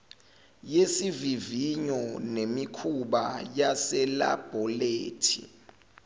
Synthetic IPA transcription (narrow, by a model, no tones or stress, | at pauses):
jesiviviɲɔnemikʰuɓajasɛla̰b̥ʱɔleːtʰḭ